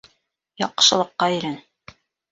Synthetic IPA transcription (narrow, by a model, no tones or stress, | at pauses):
jɑq̆ʃɤ̆lˠɤ̆qːɑiɾæn